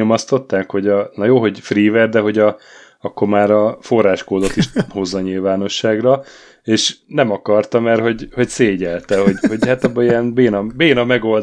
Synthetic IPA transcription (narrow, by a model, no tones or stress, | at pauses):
omɒst̪o̞t̪ːaːkho̞ɟɒnɒjoːɦo̞ɟfriːvɛrd̪ɛɦo̞ɟɒ | ɒkːoɾmaːɾɒfo̞rːaːʃkoːd̪o̞t̪iʃho̞zːɒɲilvaːno̞ʃːaːɡrɒ | eːʃnɛmɒkɒrt̪ɒmɛrɦo̞ɟho̞cseːɟɛlt̪ɛɦo̞ɟho̞ɟhat̪ɒbːɒijɛnbeːnɒbeːnɒmɛɡo̞ld̪